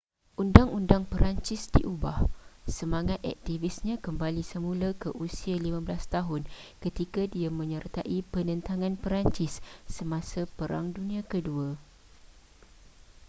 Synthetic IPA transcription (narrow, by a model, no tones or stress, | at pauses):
ʔundaŋundaŋpəɾaɲt͡ʃɪsdḭʔubahsəmãŋat̪ɛ̰k̚t̪ivisɲãkəmbalisəmũlakəʔusialimãbəlast̪aɦʊnkət̪ikadiamə̃ɲərt̪aʔipənə̃nt̪aŋãnpəɾaɲt͡ʃɪsːəmãsapəɾa̰ŋdunĩãkədua